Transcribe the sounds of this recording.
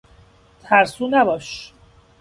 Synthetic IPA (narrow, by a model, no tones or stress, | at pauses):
t̪ʰæɾsuːnæbɒːʃ